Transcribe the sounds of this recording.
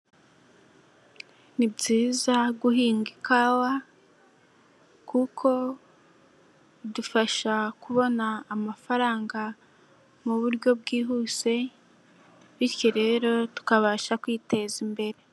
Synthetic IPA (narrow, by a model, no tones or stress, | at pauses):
nibɟiːzaɡuɦiːŋɡikawa | kukʰo̞ | dufaʃakuβo̞naːmafaɾaːŋɡa | muβuɾɟo̞b̚ɡiːɦuːse̞ | βiɾjoɾe̞ɾo̞tu̥kaβaːʃakwiːte̞zimbe̞ɾe